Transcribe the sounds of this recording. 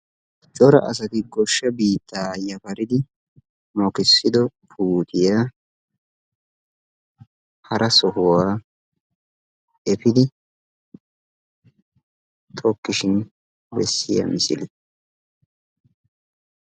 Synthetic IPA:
t͡ʃʼɔɾɐʔɐs̬ɐt̪ɪɡɔʃːɐbiːt̪ʰːaːjɐpɐɾɪd̪ɪ | mɔkɪsːɪd̪ɔpʰuːt̪ʰɪjaː | hɐɾʔɐsɔhʊwaː | ʔɛpɪd̪ɪ | t̪ʰɔkːɪʃɪn | bɛsːɪjɐ̰mɪsɪ̰lɛ

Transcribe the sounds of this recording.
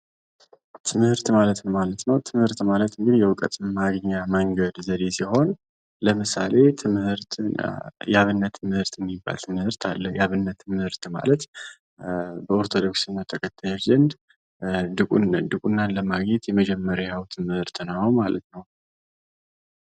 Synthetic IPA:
t̪ʰɨmhɨɾt̪malət̪nəwmalət̪nəwt̪ʰɨmhɨɾt̪malət̪ɨŋɡɨd̪jɛwkʼət̪ʼɨmmaɡɲːaməŋɡəd̪zəd̪e̞siho̞n | ləmɨsa̰le̞t̪ʰɨmhɨɾt̪ʰ | jaβɨnːət̪ʰːɨmɨhɨɾt̪jɛmːibːa̰lt̪ʰɨmɨhɨɾt̪ʰalːəjaβɨnːət̪ʰːɨmɨhɨɾt̪ma̰lət̪ | bəo̞ɾt̪ʰo̞d̪o̞ksɨnːat̪ʰːəkʰət̪ʰːajot͡ʃzənd̪ | d̪ɨkʼd̪ɨkʼunːanləmaɡɲet̪jɛməd͡ʒɛmːəɾajawt̪ʰɨmɨhɨɾt̪ɨnamalə̰t̪nəw

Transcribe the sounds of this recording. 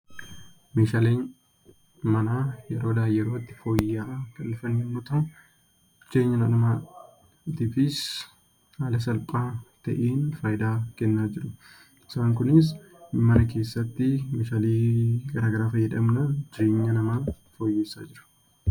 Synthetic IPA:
meːʃaːleːn | mɐnaːjɛɾo̞ːd̪aːjːɛɾoːt̪ːɪ̥fo̞ːjːaːkɐlːɪfɐnːnːʊt̪ɐ | d͡ʒe̞ːɲːɐnɐnɐma | t̪ɪfɪs | haːlɐs̬ɐlpʼaːt̪ɐ̰ʔeːnfɐːjd̪aːkɛnːaːd͡ʒɪɾʊ | ɪ̥saːŋkʊnɪs̬ | mɐnɐke̞ːsːɐt̪ːɪmeːʃaːliːɡɐɾaːɡɐɾaːfɐjːɛᶑɐmnɐd͡ʒɪɾe̞ːɲːɐnɐmaː | fo̞ːjːeːsːa̰ːd͡ʒɪɾʊ̥

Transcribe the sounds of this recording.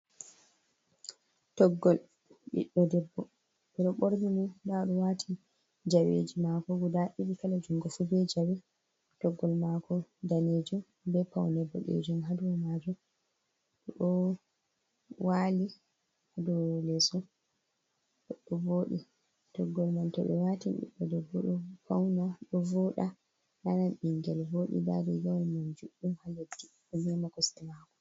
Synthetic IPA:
tɔɡːɔl | ɓḭɗːɔdɛbːɔ | ɓɛɗɔɓoɾmimudaɗɔwatʰi | d͡ʒawḛd͡ʒimakɔɡudaʔiɗikalad͡ʒuŋɡɔfubɛd͡ʒawɛ | tɔɡːɔlmakɔdaned͡ʒum | bɛpawnɛbːɔ̰ɗḛd͡ʒumhadɔwmad͡ʒum | ɗɔɗɔ | wali | hadɔlɛsɔ | ɗɔɗɔboːɗḭ | d̥ɔɡːɔlmantɔɓɛ̰watinɗḭɓːɛdɔɡɔɗɔpawnaɗɔvɔɗa | nananɓiŋɡɛlvoɗḭba̰dɛɡawlmand͡ʒuɗumhalatːi | ɔnɛmakɔstimakɔ̥

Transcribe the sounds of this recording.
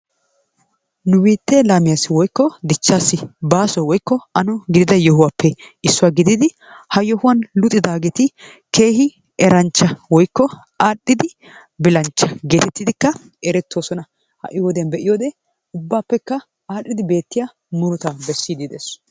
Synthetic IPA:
nʊwiːt̪ːelaːmɪjasːɪwɔjkːɔd̪ɪt͡ʃːaːsːɪbaːsɔwɔjkːɔɐnɔɡɪd̪ɪd̪ɐjɔɦʊwaːpːɛɪsːʊwaːɡɪd̪ɪd̪ɪ | hɐjɔhʊwɐnlʊt̪ʼːɪd̪aːɡɛt̪ɪ | ke̞ːhɪ | ɛɾɐnt͡ʃːɐwɔjkːɔ | aːɗːɪd̪ɪ | bɪlɐnt͡ʃːɐɡe̞ːt̪ɛt̪ːɪd̪ɪkːɐ | ɛɾɛt̪ːoːsɔnɐ | hɐ̰ʔɪjoːd̪ejɐnbɛʔɪjoːd̪eː | ʊbːaːpːɛkːɐ | aːɗːɪd̪ɪbe̞ːt̪ːɪja | mʊɾʊt̪abɛsːiːd̪ɪd̪ḛs

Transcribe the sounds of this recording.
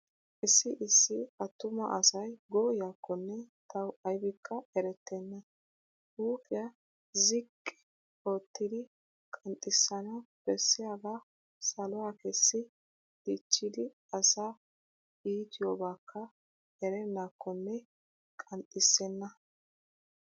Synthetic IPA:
ʔɪsːɪʔɪsːɪɐt̪ːʊmɐ̰ʔɐsɐjɡɔːjaːkːɔnːɛt̪ɐwɐjbɪkʰːɐɛɾɛt̪ːɛnːɐ | uːkʼɪjɐ | zɪkʼːɛ̥ | ot̪ːɪd̪ɪ | kʼɐnt̪ʼːɪsːɐnɐwb̥ɛsːɪjaːɡa | sɐlɔwakɛsːɪ | d̪it͡ʃːɪd̪ɪ | ɐsa | iːt̪ɪjoːbaːkʰːɐ | ɛɾɛnːaːkʰːɔnːɛ | kʼɐnt̪ʼːɪsːɛnːɐ

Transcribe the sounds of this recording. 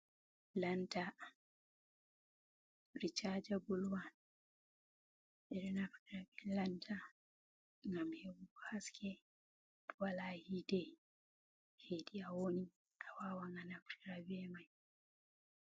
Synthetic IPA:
lantʰa | ɾit͡ʃad͡ʒabulwan | ʔɛɾɛnafɾiɾabɛlantʰa | ŋɡamhɛwuɡɔhaskʰɛ | dwalahidɛ | heɗiawoni | awawaŋɡanafɾiɾabɛmaj

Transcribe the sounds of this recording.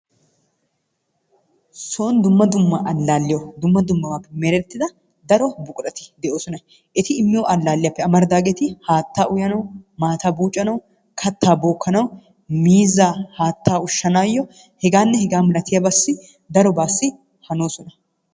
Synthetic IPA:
soːnd̪ʊmːɐd̪ʊmːɐʔɐlːaːlːɪjɔd̪ʊmːɐd̪ʊmːɐwaːpːɛmɛɾɛt̪ːɪd̪ɐ | d̪ɐɾɔbʊkʼʊɾɐt̪ɪ̥d̪ɛʔo̞ːsɔnɐ | ʔɪt̪ɪɪmːɪjɔʔɐlːaːlːɪjɐpːɛɐmɐɾd̪aːɡɛt̪ɪhaːt̪ːaːʔʊjɐnɐwmaːt̪aːbuːt͡ʃʼːɐnɐw | kʰɐt̪ʰːaːboːkːɐnɐw | miːzaːhaːt̪ːaːʊʃːɐnaːjːɔ | hɛɡaːnːɛhɛɡaːmɐlɐt̪ɪjɐbɐsːɪ | d̪ɐɾɔbaːsːɪ | hɐno̞ːsɔnɐ

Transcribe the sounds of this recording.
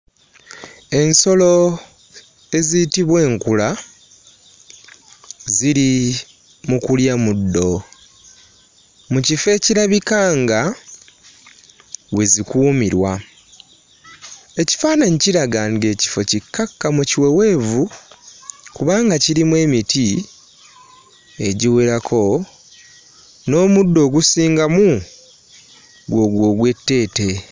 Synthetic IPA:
e̞nso̞lo̞ | e̞zitiβwe̞ːŋkula | ziɾi | mukuljamudːo̞ | mucife̞ːciɾaβikaːŋɡa | we̞zikuːmiɾwa | e̞ci̥faːnaɲiciɾaɡaŋɡe̞ːci̥fo̞cikːakːamuciwe̞we̞ːvu | kuβaːŋɡaciɾimwe̞ːmiti | e̞ɟiweɾakʰo̞ | no̞ːmudːo̞ːɡusiːŋɡamu | ɡwo̞ɡwo̞ːɡwe̞tːe̞ːte̞

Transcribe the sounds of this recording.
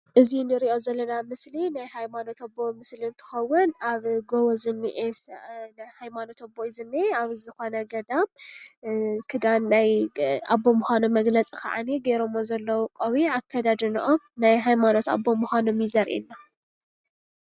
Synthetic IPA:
ʔɨzinɨɾiʔo̞zɐlːɐnamɨslinajhajmano̞t̪ʰɐbo̞mɨsliɨnt̪ʰɨ̥xɐwːʊnaβɡoβozɨmːiʔesnjhajmano̞t̪ʰɐbːojizɨnːeaβzɨxo̞nɐɡɐd̪am | kʰɨd̪anːajabːo̞muxʷanumɐɡlɐt͡sʼikʰa̰ʕa̰neɡeɾomozɐlːɐwuqʼɐwiʕakʰːad̪ad̪ɨnɨʔomnajɦajmano̞t̪a̰bːomuxʷanomjɪzɐɾʔḭnːa

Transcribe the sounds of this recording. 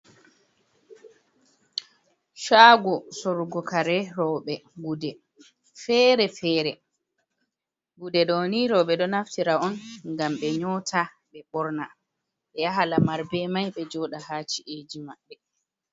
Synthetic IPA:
ʃaɡɔsoɾuɡɔkaɾɛɾɔɓɛɡudɛ | fɛːɾɛfɛːɾɛ | ɡudɛɗɔniɾɔɓɛɗɔnaftiɾaɔnŋɡamɓɛɲɔtʰa | ɓɛɓɔɾna | ɓɛjaɦalamaɾbɛmajɓɛd͡ʒɔɗahat͡ʃiʔed͡ʒimaɓːɛ

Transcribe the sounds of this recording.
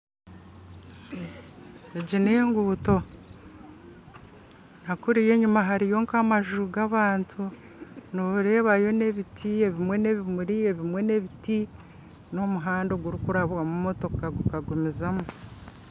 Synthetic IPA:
eɟine̞ːŋɡuːto̞ | nhakuɾije̞ɲumaɦaɾijo̞ŋkamaʒuuɡaβaːntʰu | niβuɾe̞ːβajo̞ne̞βitʰie̞βimwe̞ne̞βimuɾijeβimwe̞ne̞βiti | no̞muɦaːndo̞ɡuɾikuɾaβwamumoto̞kkaɡukaɡumizamu

